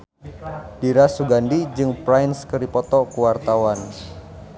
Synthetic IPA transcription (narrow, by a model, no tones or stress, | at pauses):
d̥iɾasuɡandid͡ʒɨŋpɾajnskəɾipɔt̪ɔkuwart̪awan